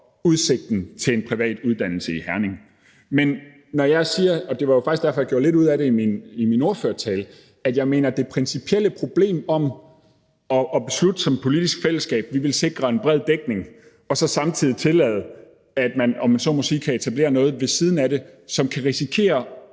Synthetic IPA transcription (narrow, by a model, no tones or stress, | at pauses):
uð̞ˠse̝ɡ̥̚d̥n̩t͡sʰe̝lenpʰʁiʋɛ̰ːd̥uð̞ˠd̥æn̰l̩səihæɐne̝ŋ̩ | menː | ɒjɑ̈ɪsiːɐɒ̽d̥e̝ʋɑ̈jofɑɡ̥isɡ̥æɐfɒ̽jɑ̈ɡ̥jo̝ɐle̝ɾuð̞̰ˠæɾe̝iminimino̝ɐføɐt͡sʰɛːl | æd̥jɑ̈ɪme̝̰ːnɐd̥e̝pʰʁɛnsipʰieləpʰʁo̝b̥le̝̰ːmɒ̽m | ɒ̽ʔːb̥e̝slud̥əsɒ̽mpʰo̝lid̥isɡ̥fel̰əsɡ̥ɛ̰ːb̥̚ʋiʋe̝lse̝ɡ̥ʁɐenb̥ʁɛð̞̰ˠd̥eɡ̥ne̝ŋ | ɒ̽sɒ̽sɑ̈mt͡sʰiðˠit͡sʰe̝lɛ̰ːð̞ˠ | æd̥mænɒ̽mænsɒ̽mo̽siːkʰæe̝t͡sʰæb̥le̝̰ːɐnɔ̽ːð̞̩ˠʋe̝siːð̞ˠn̩æɾe̝sɒ̽mkʰæʁisikʰe̝̰ːɐ